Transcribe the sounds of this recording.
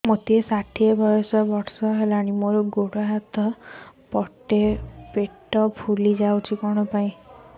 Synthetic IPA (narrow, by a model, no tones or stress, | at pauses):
mot̪iesaʈʰiebʱɔjɔsɔbɔʈsɔɦelaɽ̃imoɾuɡoɽaɦat̪ɔpɔʈepeʈɔpʰulid͡ʒawt͡ʃʰikɔɽ̃ɔpaĩ